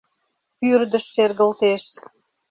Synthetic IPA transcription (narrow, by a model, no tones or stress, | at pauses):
pyrd̪ə̆ʃːerɣəlt̪eʃ